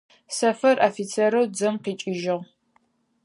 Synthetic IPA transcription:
sɐfɐrʔafit͡sʰeɾɐwd͡zɐmqiːt͡ʃʼɪʒɪʁ

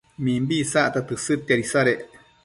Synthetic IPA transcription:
mĩmbisaʔt̪at̪ɨsɨt̪aɾisaɾeʔ

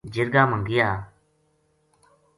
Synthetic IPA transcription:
d͡ʒɪɾɡaːməŋɡɪjaː

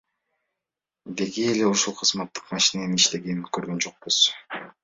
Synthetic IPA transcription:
d̪e̞ɡiːle̞uʃulˠqʰɯzmɑt̪ːɯ̥qmɑʃineemiʃt̪e̞ɡeikøɾɡø̞nd͡ʒo̞q̚buz̥

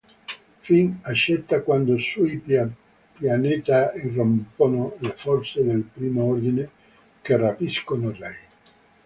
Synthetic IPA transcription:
finat͡ʃːɛt̪ːakwand̪osuj | pjaneːt̪airːomponolefɔrt̪sed̪elpɾiːmoord̪ine | kerapiskonorɛj

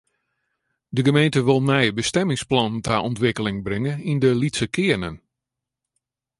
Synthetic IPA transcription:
dəɡəmejntəʋɪlˠnɛjəbəstɛmɪŋsplɔnntaʔɔntʋɪkəlɪŋbrɪŋəindəlitsəkʰɪənən

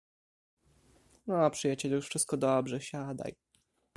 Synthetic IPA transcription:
nɔapʂɨjat͡ɕɛlʲjuʂfʂɘst̪̚kɔd̪ɔbʐɛɕad̪a̰j

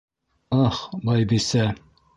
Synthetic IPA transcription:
ɑχbɑjbisæ

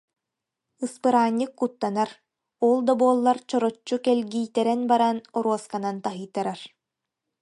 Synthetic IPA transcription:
ɯspɯɾaːɲːɯkːut̪ːanaɾ | ɔlˠd̪ɔbuɔlˠːaɾt͡ɕɔɾɔt͡ɕːukɛlʲɡiːt̪ɛɾɛnbaɾanɔɾuɔskanant̪aɦɯjt̪aɾaɾ

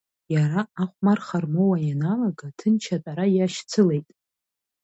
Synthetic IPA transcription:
jaɾaaχʷmarχarmowajanalaɡatʰɨnt͡ʃʰatʼaɾajaʃt͡sʰɨle̞jtʼ

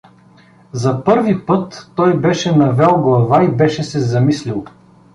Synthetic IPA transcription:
zɐpɤɾvipɤt̪ːɔjbɛʃɛnɐvɛlˠɡlˠɐvaibɛʃɛsɛzɐmislʲilˠ

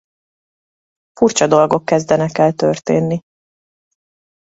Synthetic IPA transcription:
furt͡ʃɒd̪o̞lɡo̞kːɛzd̪ɛnɛkɛlt̪ørt̪eːnːi

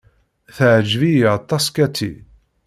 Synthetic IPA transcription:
θəʕd͡ʒvijt̪ˤːɑskæt̪ʰːḭ

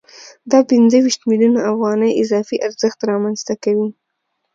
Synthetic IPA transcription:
d̪ɑpɪnzəwiʃt̪miljunaafɣɑnəjɪzɑfiʔaɾzəxt̪ɾɑmanzt̪akawi

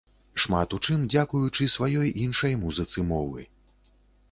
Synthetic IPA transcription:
ʂmat̪ut͡ʂɨnd͡zʲakujut͡ʂɨsvajɔjʔinʂɐjmuzɨt̪sɨmɔvɨ̰

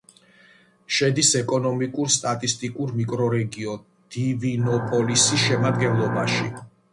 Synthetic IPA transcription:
ʃɛd̪isɛkʼɔnɔmikʼuɾst̪ʼat̪ʼist̪ʼikʼuɾmikʼɾɔɾɛɡiɔn | d̪̥ivinɔpʼɔlisisʃɛmad̪ɡɛnlˠɔbaʃḭ

